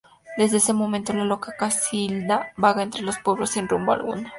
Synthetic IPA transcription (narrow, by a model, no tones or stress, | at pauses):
d̪e̞zðe̞esemo̞ment̪o̞lalo̞kakasild̪abaɣae̞nt̪ɾe̞lospo̞βɾosːinrumboa̰lɣṵna